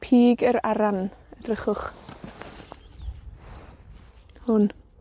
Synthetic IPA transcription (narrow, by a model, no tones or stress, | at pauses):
pʰiːɡəɾaɾanədrəχʊχ | hʊn